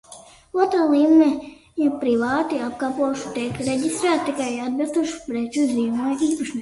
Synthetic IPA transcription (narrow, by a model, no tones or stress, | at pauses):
uɔt̪ɾaːlˠiːmmɛ | jɛpɾiʋaːt̪iap̚kaːpuɔjʃu̥t̪ikɾeɟʲist̪ɾæːt̪̚t̪ikajad̪̚bilˠst̪uɔʃu̥pɾɛt͡ʃizʲiːmajiːpaʃni